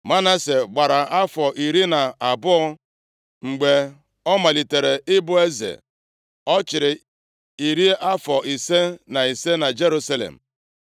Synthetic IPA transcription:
ma˦na˦se˨ɡ͡ba˨ɾa˨a˦fɔ˨ʔi˨ɾi˦na˨a˨bʊ˦ɔ˦ | ŋ͡m̩˨ɡ͡be˨ | ɔ˦ma˨li˨te˨ɾe˨ʔɪ˦bʊ˦e˦zḛ˨ | ɔ˦t͡ʃɪ˨ɾɪ˨ | i˨ɾi˦a˦fɔ˨i˨se˦na˨i˨se˦na˨d͡ʒe˦ɾu˦sa˦lḛ˨m̩˨

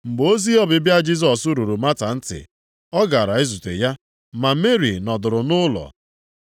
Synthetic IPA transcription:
mŋ͡m̩˨ɡ͡bo˦zi˦ɔ˦bɪ˨bja˦d͡ʒi˦s̬ɔ˨su˦ɾu˨ɾu˨ma˦ta˨n̩˦tɪ̰˨ | ɔ˦ɡa˨ɾa˨e˦zu˨tḛ˨ja˦ | ma˨˦me˦ɾḭ˨nɔ˨dʊ˨ɾʊ˨nʊ˦lɔ̰˨

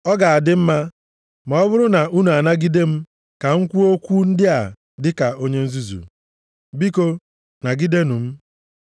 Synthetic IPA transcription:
ɔ˦ɡa˨a˨dɪ˦m̩˦ma˦ | mɔ˨ɔ˦bʊ˦ɾʊ˦na˨u˦nu˨a˨na˦ɡi˦de˦m̩˦ | ka˨ŋ̩˦kʷu˦o˦kʷu˦n̩˦dɪ˦a˨ | dɪ˦ka˨o˦ɲe˦n̩˦zu˦zṵ˨ | bi˦ko˦ | na˨ɡi˦de˦nu˨m̩˦

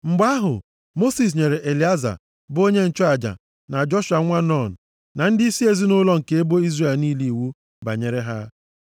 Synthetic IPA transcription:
ŋ͡m̩˨ɡ͡ba˦ɦʊ̰˨ | mo˦si˨s̬ɲe˨ɾe˨ʔe˨li˨˦a˦za̰˨ | bʊ˦o˦ɲe˦n̩˨t͡ʃɔ˦a˨d͡ʒa̰˨ | na˨d͡ʒɔ˦ʃa˨ŋʷa˦nɔ˦˨n̩˨ | na˨n̩˦dɪ˦i˦si˦e˨zi˦nʊ˦lɔ˦ŋ̩˨ke˨e˦bo˦i˦zre˨lniː˦li˦˨wu˦ | ba̰˨ɲe˨ɾe˦ɦa˦

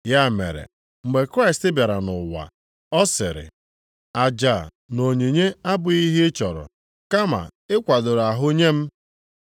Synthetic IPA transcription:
ja˦˨mḛ˨ɾḛ˨ | ŋ͡m̩˨ɡ͡be˨kɾa˦ɪ˨stɪ˦bja˨ɾa˨nʊ˨wa̰˨ | ɔ˦sɪ˨ɾɪ̰˨ | a˨d͡ʒa˨ | no˨ɲe˨ɲe˦a˦bʊ˨i˦ɦɪ˦t͡ʃɔ˨ɾʊ̰˨ | ka˦ma̰˨ɪ˦kʷa˨dʊ˨ɾa˨ɦʊ˦ɲe˦m̩˦

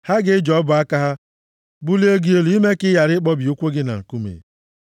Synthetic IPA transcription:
ha˦ɡɪ˦d͡ʒɔ˨˦ɔ˦bʊ˨a˦ka˦ɦa˦ | bu˦li˦e˦ɡi˦e˦lu˨˦i˦me˦kɪ˦ja˨ɾɪ˦k͡pɔ˦bi˨u˦kʷo˦ɡɪ˦na̰˨ŋ̩˨ku˦mḛ˨

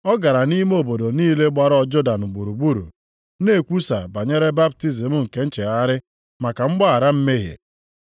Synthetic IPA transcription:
ɔ˦ɡa˨ɾa˨ni˦m˦o˨bo˨do˨niː˦le˦ɡ͡ba˦ɾɔ˦˨d͡ʒo˦da˨n̩˨ɡ͡bu˨ɾu˨ɡ͡bu˦ɾṵ˨ | ne˦˨kʷu˦sa̰˨ba˨ɲe˦ɾe˦ba˦p̚ti˦zi˨mʊ˦ŋ̩˨ke˦n̩˦t͡ʃe˨a˦ɾɪ˦ | ma˨ka˨ŋ͡m̩˦ɡ͡ba˦a˨ɾa˦m̩˦me˦ɦḛ˨

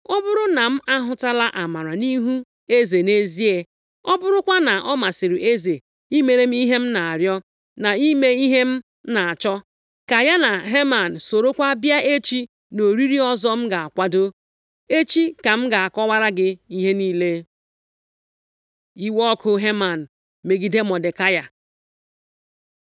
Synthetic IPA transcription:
ɔ˦bʊ˦ɾʊ˦na˨m̩˦ʔa˦ɦʊ˦ta˦la˦ʔa˨ma˨ɾa˨ni˦ɦu˦ | e˦ze˨ne˦zi˦e˦ | ɔ˦bʊ˦ɾʊ˦kʷa˦na˨ʔɔ˦ma˨sɪ˨ɾɪ˨ʔe˦ze˨ | i˦me˨ɾe˨m̩˦i˦ɦe˦m̩˦na˨a˨ɾjɔ˦ | na˨i˦me˦i˦ɦe˦m̩˦ | na˨a˨t͡ʃɔ˦ | ka˨ja˦na˨ɦe˦ma˨n̩˨so˨ɾo˦kʷa˦bja˦ʔe˦t͡ʃi˦ | no˨ɾi˦ɾi˦ɔ˦zɔ˦m̩˦ɡa˨a˨kʷa˦do˦ | e˦t͡ʃi˦ka˨m̩˦ɡa˨a˨kɔ˦wa˦ɾa˦ɡɪ˦i˦ɦe˦niː˦le˦ | i˦wɔ˦kʰʊ˦ɦe˦ma˨n̩˨ | me˨ɡi˨de˦mɔ˨dɪ˨ka˦ja˨

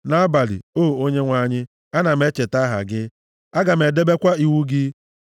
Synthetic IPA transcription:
na˦a˦ba˨lḭ˨o˦˨o˦ɲe˦ŋʷa˨ɲɪ˦ | a˦na˨m̩e˦t͡ʃe˨ta˦ɦa̰˨ɡɪ˦ | a˦ɡa˨m̩e˨de˦be˦kʷa˦i˨wu˦ɡɪ˦

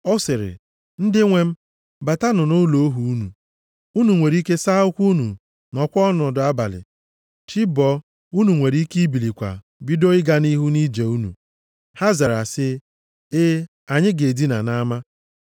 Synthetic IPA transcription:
ɔ˦sɪ˨ɾɪ̰˨ | n̩˦dɪ˦ŋʷe˦m̩˦ | ba˨ta˦nʊ˨no˦lo˨˦o˦ɦu˨u˦nu˨ | u˦nu˨ŋʷe˨ɾi˦ke˦sa˦ʊ˦kʷu˦nṵ˨ | nɔ˨kʷɔ˦nʊ˨dʊ˨a˦ba̰˨lɪ̰˨ | t͡ʃi˦bɔ˦ | u˦nu˨ŋʷe˨ɾi˦ki˦bi˨li˨kʷa̰˨ | bi˦do˦ɪ˦ɡa˦ni˦ɦu˦ni˦d͡ʒe˨u˦nṵ˨ | ha˦za˨ɾa˨sɪ˦ | ɪ˦ | a˨ɲɪ˦ɡe˨di˦na̰˨na˦ma˦

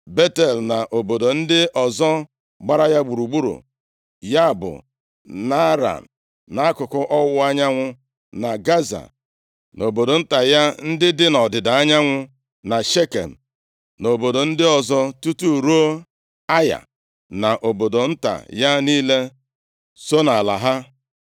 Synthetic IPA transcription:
be˦te˨lna˨ʔo˨bo˨do˨n̩˦dɪ˦ʔɔ˨zɔ˦ | ɡ͡ba˦ɾa˦ja˦ɡ͡bu˨ɾu˨ɡ͡bu˦ɾṵ˨ | ja˦˨bʊ̰˨ | na˦ɾa̰˨n̩˨ | na˨a˦kʊ˨kʊ˦ʔɔ˦wʊ˦a˦ɲa˦ŋʷʊ˦ | na˨ɡa˦za̰˨ | no˨bo˨do˨n̩˦ta˨ja˦n̩˦dɪ˦dɪ˦nɔ˨dɪ˨da˨a˦ɲa˦ŋʷʊ˦ | na˨ʃe˦kḛ˨m̩˨ | no˨bo˨do˨n̩˦dɪ˦ɔ˨zɔ˦tu˦tu˦˨ɾo˦ | a˦ja̰˨ | na˨ʔo˨bo˨do˨n̩˦ta̰˨ja˦niː˦le˦ | so˦na˨la˨ɦa˦

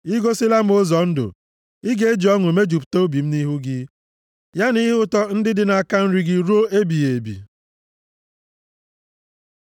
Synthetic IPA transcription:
i˦ɡo˦si˦la˦m̩˦o˦zɔ˨n̩˦dʊ̰˨ | i˦ɡe˦e˦d͡ʒi˨ɔ˦ŋʷ˨e˨me˦d͡ʒu˨pto˦bi˨m̩˦ni˦ɦu˦ɡɪ˦ | ja˦ni˦ɦʊ˦tɔ˦n̩˦dɪ˦dɪ˦na˨a˨ka˦n̩˦ɾi˦ɡɪ˦ɾo˦ʔe˦bi˨e˨bḭ˨

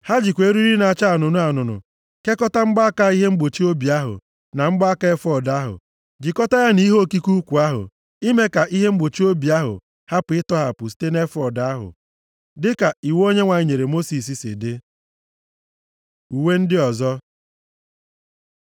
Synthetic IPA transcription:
ha˦d͡ʒi˨kʷe˨˦ɾi˦ɾi˦na˨t͡ʃa˦a˨nʊ˨nʊ˦a˨nʊ˨nʊ̰˨ | ke˦kɔ˦ta˦ŋ͡m̩˦ɡ͡ba˦a˦ka˦i˦ɦe˦ŋ͡m̩˦ɡ͡bo˨t͡ʃi˦o˦bi˨a˦ɦʊ̰˨ | na˨ŋ͡m̩˦ɡ͡ba˦a˦ka˦e˦fɔ˨da˦ɦʊ̰˨ | d͡ʒi˨kɔ˦ta˦ja˦ni˦ɦo˦˨ki˦ku˦kʷu˨a˦ɦʊ̰˨ | i˦me˦ka˨ʔi˦ɦe˦ŋ͡m̩˦ɡ͡bo˨t͡ʃi˦o˦bi˨a˦ɦʊ̰˨ | ha˦pʊ˨ɪ˦tɔ˦ɦa˨pʊ˨s̬i̥˦te˦ne˦fɔ˨da˨˦ɦʊ̰˨ | dɪ˦ka˨i˨wo˦ɲe˦ŋʷa˨i˦ɲe˨ɾe˨mo˦si˨s̬i˨sɪ̰˨dɪ˦ | u˨we˦n̩˦dɪ˦ɔ˨zɔ˦

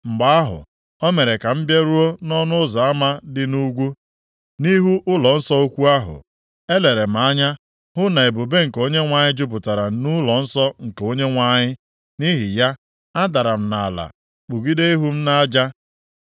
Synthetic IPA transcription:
m̩˨ɡ͡ba˨˦a˦ɦʊ̰˨ | ɔ˦me˨ɾe˨ka˨m̩˦bje˦ɾu˦o˦nɔ˦nʊ˦ʊ˦za˨a˦ma˦dɪ˦nu˦ɡʷu˦ | ni˦ɦu˦ʔʊ˦lɔ˨n̩˦sɔ˦o˦kʷu˦a˦ɦʊ̰˨ | e˦le˨ɾe˨m̩˨a˦ɲa˦ | ɦʊ˦na˨e˨bu˨be˦ŋ̩˨ko˦ɲe˦ŋʷa˨ɲɪ˦d͡ʒʊ˦p̬ʊ˨ta˨ɾa˨˦nu˦lɔ˨n̩˦sɔ˦ŋ̩˨ko˦ɲe˦ŋʷa˦ɲɪ˦ | ni˦ɦi˨ja˦ | a˦da˨ɾa˨m̩˦˨na˨a˨la̰˨ | k͡pu˨ɡi˦de˦i˦ɦu˦m̩˦na˦d͡ʒa˦

